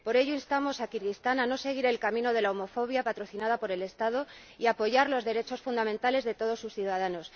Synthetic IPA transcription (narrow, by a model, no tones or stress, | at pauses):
po̞ɾe̞ʝoinst̪amo̞sakiɾɣist̪anano̞se̞ɣ̞iɾe̞lkamĩno̞ðe̞laomo̞fo̞β̞japat̪ɾo̞θinað̞apo̞ɾele̞st̪að̞o̞ | iapo̞ʝaɾlo̞zðe̞ɾe̞t͡ʃo̞sfund̪amẽnt̪ale̞zðe̞t̪o̞ð̞o̞sːusθjuðaðano̞s